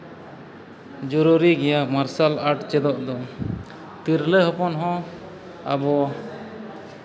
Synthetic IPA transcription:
d͡ʒɔɾuɾiɡɛjamaɾsalaʈt͡ʃɛd̪ɔʔd̪ɔ | t̪iɾlɛɦɔpɔnɦɔ̃ | a̰bɔ

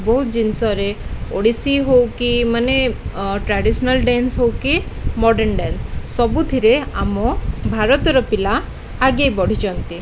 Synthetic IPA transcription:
bɔɦut̪d͡ʒinsɔɾeoɽisiɦowkimaneʈɾaɖisɔnalɖensɦowkimɔɖenɖensːɔbud̪ʱiɾeamɔbʱaɾɔt̪ɔɾɔpilaː | ɡejbɔɽ̤id͡ʒɔnt̪i

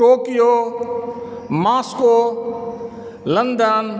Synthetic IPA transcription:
oːkijo | maːsko | lənd̪ən

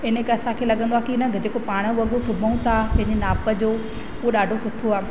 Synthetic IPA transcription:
ɪnəkɐsãkʰeːlɐɠə̃nd̪oaːkinɐɡd͡ʑeːkopaːɽ̃ə̆ʋɐɠosʊbʱəũt̪ʰapɐ̃ɦɪ̃ɲd͡ʑenaːpə̆d͡ʑoː | uoɗaːɖʱosʊʈʰoaː

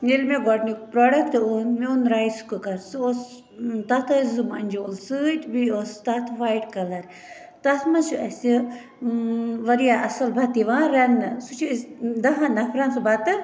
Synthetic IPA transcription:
nilmeɡɔʈnik̚pɾoːɖɐkʈ̪ɨonmiunɾaːjskɨkɐɾsɨos | t̪ɐt̪ʰɐzɨmɐnʲd͡ʒoːlsɨtʲbiost̪ɐt̪ʰʋaːjʈkɐlɐɾ | t̪ɐt̪ʰmɐnʃuɐsʲi | ʋɐɾijaʔɐsɐlbʱɐt̪iʋãːɾɐnɨsut͡ʃʰisd̪ɐɦãnɐfʰɾɐnsɨbɐt̪ɨ

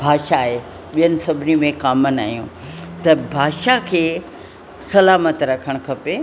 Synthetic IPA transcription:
bʱaːʃaːɦe | ɓijənɪ̆sɐbʱɪnimẽkaːmənaːɦjũt̪ɐbʱaːʃakʰeː | sɐlaːmət̪ɾɐkʰəɽ̃kʰɐpe

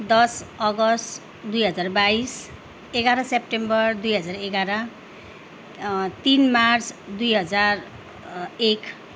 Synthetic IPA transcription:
d̪ʌsʌɡʌsʈ | d̪ujɦʌd͡zarbais | eɡaɾʌsep̚ʈembʌrd̪ujɦʌd͡zareɡaɾʌ | t̪inmart͡sʰd̪ujɦʌd͡zar | ek

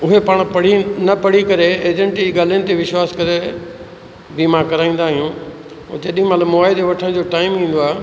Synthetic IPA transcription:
ʊɦepaːɽ̃pɐɽ̤inɐpɐɽ̤ikɐɾeeːd͡ʑə̃ɳʈid͡ʑiɡaːl̤ɪnɪ̆t̪̬eʋɪʃwaːskɐɾe | bimãkɐɾaːĩːnd̪aːɦijũː | d͡ʑɐɗĩmɐt̪ləbmoaːɪd̪eʋɐʈʰəɽ̃d͡ʑoʈaːɪmĩːn̆d̪oaːɦe

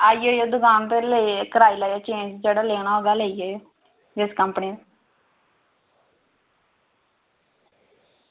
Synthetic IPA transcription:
aːioːjoːd̪ʊkaːnt̪elekəɾaːilaːjaːt͡ʃẽːnd͡ʒd͡ʒeːɽaːleːñaoɡaleːiɦoːjo | d͡ʒɪskəmpniː

